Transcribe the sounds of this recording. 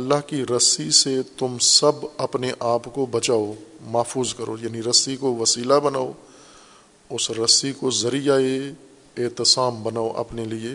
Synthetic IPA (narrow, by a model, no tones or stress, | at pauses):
ɐlːaɦkiɾɐsiset̪ʊmsɐbɐpneʔaːpkobɐt͡ʃaːomɐːfuːzkɐɾoːjaːniɾɐsikoʋɐsiːlabɐnaːo | ʊsɾɐsikozɐɾijae | eːt̪ɪsaːmbɐnaːoʔɐ̰pnelie